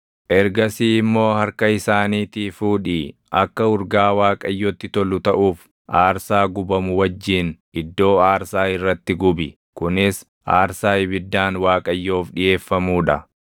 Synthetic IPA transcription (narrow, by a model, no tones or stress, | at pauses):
ʔɛɾɡɐsiːɪmːo̞ːhɐɾkɐɪsaːniːt̪iːfuːᶑiːʔɐkːɐʊɾɡaːwaːkʼɐjːɔt̪ːɪt̪ɔlʊt̪ɐʔuːf | ʔaːɾsaːɡʊbɐmʊwɐd͡ʒːiːn | ɪd̪ːo̞ːaːɾsaːɪrːɐt̪ːɪɡʊbɪ | kʊnɪs | ʔaːɾsaːɪbɪd̪ːaːnwaːkʼɐjːo̞ːfᶑɪje̞ːfːɐmuːᶑɐ